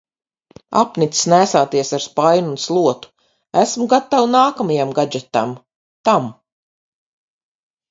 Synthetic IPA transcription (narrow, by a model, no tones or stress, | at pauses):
a̰pnit̪ssnæːsaːt̪iɛsaɾspajnunslˠuɔt̪u̥ | æsmuɡat̪ːawnaːkamajamɡad͡ʒɛt̪am | t̪am